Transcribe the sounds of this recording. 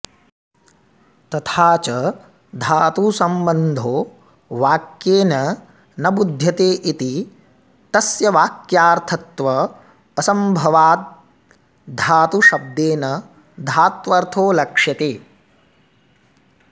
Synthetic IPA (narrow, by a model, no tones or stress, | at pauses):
t̪ɐt̪ʰaːt͡ʃɐ | d̪ʱaːt̪usɐmbɐnd̪ʱoː | ʋaːkjeːnɐ | nɐbud̪ʱjɐt̪eːʔit̪i | t̪ɐsjɐʋaːkjaːɾt̪ʰɐt̪ʋɐː | sɐmbʱɐʋaːt̪̚ | d̪ʱaːt̪uʃɐb̚d̪eːnɐ | d̪ʱaːt̪ʋɐɾt̪ʰoːlɐkʂjɐt̪eː